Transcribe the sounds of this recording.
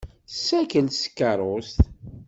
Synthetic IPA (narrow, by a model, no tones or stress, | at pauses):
sːækəlskːɑɾˤost̪